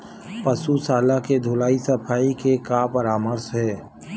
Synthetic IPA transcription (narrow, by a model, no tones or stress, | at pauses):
pəsusaːlaked̪ʱʊːlaːisəpʰaːikekapəɾaːməɾsɦɛː